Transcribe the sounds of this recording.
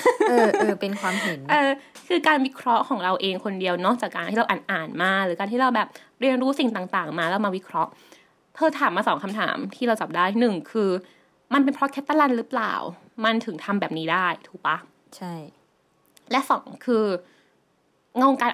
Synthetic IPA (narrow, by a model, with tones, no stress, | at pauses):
ʔɤː˧ɤː˧˩pe˧nkʰwaː˧mɦɯ˩˨˩nʔɤː˧kʰɯː˧kaː˧nwi˦˥kʰɾɔ˦˥ʔkʰɔː˩˦ŋɾa˧wʔeː˧ŋkʰo˧ndi˧əwnɔː˥˩k̚t͡ɕaː˨˩kːaː˧nʰiː˥˩ɾa˧wʔaː˨˩nʔaː˨˩nmaː˥˩k̚ɾɯː˩˦ka˧nt̪i˥˩ɾa˧wbɛː˨˩p̚ | ɾi˧ənɾuː˦˥si˨˩ŋt̪aː˨˩ŋt̪aː˨˩ŋmaː˧laː˦˧˥wmaː˧wi˦˥kʰɾɔ˦˥ʔ | p̪ʰɤː˧t̪ʰaː˨˩˦mːaː˧sɔː˩˦ŋkʰa˧mt̪ʰa̰ː˩˦mt̪ʰiː˥˩ɾa˧wt͡ɕa˨˩p̚daː˥˩jnɯ˨˩ŋkʰɯː˧ | ma˧npe˧npʰɾɔ˦˥kʰɛ˦˥t̪ːa˧la˧nɾɯː˦˥pla̰ː˨˩w | ma˧nt̪ʰɯ˩˦ŋt̪ʰa˧mbɛː˨˩p̚niː˦˥daː˥˩jt̪ʰuː˨˩k̚pa˦˥ | t͡ɕʰa˥˩j | lɛ˦˥ʔsɔ̰ː˩˦ŋkʰɯː˧ | ŋa˧wo˧ŋkaː˧n